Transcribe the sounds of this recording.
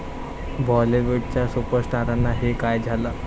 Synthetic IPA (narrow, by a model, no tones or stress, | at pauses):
bɔliʋuɖ̚t͡ɕjasupəɾsʈaɾanːaɦekajd͡zʱala